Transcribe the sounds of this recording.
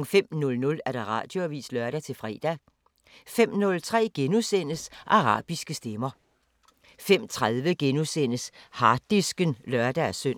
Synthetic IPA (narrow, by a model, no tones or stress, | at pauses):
fem̰nɔ̽lnɔ̽læɐɾ̥ɑ̈ʁɑ̈ːd̥jo̝ʋḭːslœɐɾ̥æt͡sʰe̝lfʁɛ̰ːd̥æ | fem̰nɔ̽lt͡sʰʁɛ̰ːɡ̥enusen̰əsʔɑ̈ʁɑ̰̈ːb̥isɡ̥əsd̥emɐ | fem̰t͡sʰʁaðˠʋəɡ̥enusen̰əshɑ̈d̥isɡ̥ənlɶɐd̥ææsøn̰